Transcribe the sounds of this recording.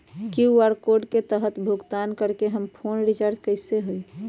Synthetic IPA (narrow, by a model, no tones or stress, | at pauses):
kiaɾkoɖket̪əɦət̪bʱuɡt̪ankəɾkeɦəmpʰonɾit͡ʃaɾd͡ʒkəɪseɦui